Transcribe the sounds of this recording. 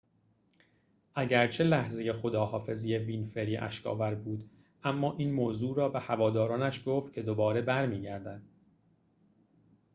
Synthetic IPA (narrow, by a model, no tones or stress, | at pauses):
ʔæɟæɾt͡ʃʰe̞læhze̞je̞xo̞d̪ɒːhɒːfe̞zije̞viːnfe̞ɾiʔæ̰ʃkʰɒ̰ːvæɾbuːd̪ | ʔæmːɒːʔiːnmoːzuːɾɒːbehævɒːd̪ɒːɾɒːnæʃɡoːft̪̚cʰe̞d̪o̞bɒːɾe̞bæɾmiːɟæɾd̪æd̪̥